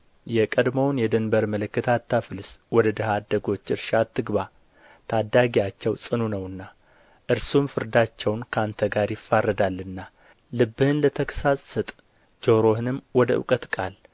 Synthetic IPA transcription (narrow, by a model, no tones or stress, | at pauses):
jɛkʼəd̪məwnjɛd̪ɨnbəɾmələkːət̪ʰat̪ʰːafɨlswɔd̪əd̪əhad̪ːəɡo̞t͡ʃːɨɾʃat̪ʰːɨɡba | t̪ʰad̪ːaɡijat͡ʃːɛwsʼɨnunəwɨnːa | ʔɨɾsumfɨɾd̪at͡ʃːɛwnkʰant̪ʰəɡaɾjɪfːarːəd̪alːɨnːa | lɨbːɨhɨnlət̪ʰəkʰə̥sasʼːɨt̪ʼ | d͡ʒo̞ɾo̞hɨnɨmwɔd̪əɨ̰kʼət̪kʼal